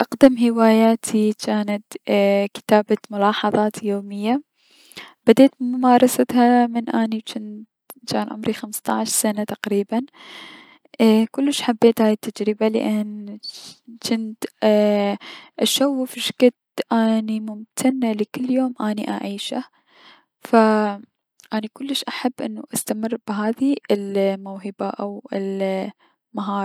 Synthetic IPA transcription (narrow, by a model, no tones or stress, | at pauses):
ʔaqd̪amɦɪwaːjaːt̪ʰit͡ʃaːnat̪kɪ̥t̪aːbamʊlɑːħɑðˤɑːt̪joːmɪjːa | b̥ad̪eːt̪mʊmaːɾˤɑsat̪hamɪnʔaːnit͡ʃɪn | t͡ʃaːnʕʊ̰mɾixamst̪ˤɑʕʃsanat̪aqɾiːban | kʊlːɪʃħabːeːt̪haːjɪt̪ːad͡ʒɾɪbalɪ̰ʔan | t͡ʃɪnt̪ | ʔaʃawːfɪʃkɪt̪ʔaːnimʊmt̪ʰanːalikɪlːjoːmʔaːniʔa̰ʕiːʃa | fa | ʔaːnikʊlːɪʃʔaħabːʔɪ̰nːaʔast̪amɪrːb̥ɦaːðiɪlmawɦɪbaʔawɪl | maɦɑːɾˤ